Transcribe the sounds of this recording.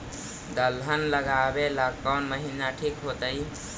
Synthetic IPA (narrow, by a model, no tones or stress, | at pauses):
d̪əlɦənləɡabelakkːəwnməɦinaʈʰikɦot̪əj